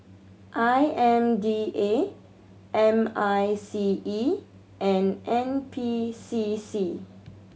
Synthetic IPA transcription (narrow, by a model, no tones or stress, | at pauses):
ʔajɛ̃mdiʔe | ʔɛ̃majsii | ʔɛ̃nʔɛ̃npʰisisi